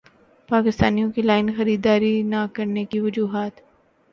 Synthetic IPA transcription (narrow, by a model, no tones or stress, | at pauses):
paːkɪst̪aːnijõkilaːɪnxɐɾiːd̪aːɾinakɐɾnekiʋɐd͡ʒuːɦaːt̪